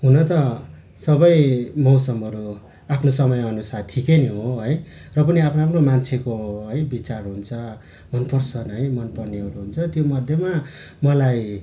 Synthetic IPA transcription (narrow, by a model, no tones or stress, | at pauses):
ɦunʌt̪ʌ | sʌbʌjmʌwsʌmɦʌɾu | apʰnosʌmʌjʌnusat̪ʰikeneɦoɦʌj | rʌpʌniapʰnoapʰnomant͡sʰekoɦʌjbit͡sarɦunt͡sʰʌ | mʌnpʌrsʰʌnʌɦʌjmʌnpʌrneʌɾuɦunt͡sʰʌt̪jomʌd̪ʱjʌma | mʌlaj